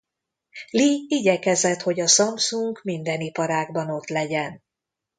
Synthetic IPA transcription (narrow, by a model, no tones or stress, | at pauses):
liiɟɛkɛzɛt̪ho̞ɟɒsɒmsuŋɡmind̪ɛnipɒɾaːɡbɒno̞t̪lɛɟɛn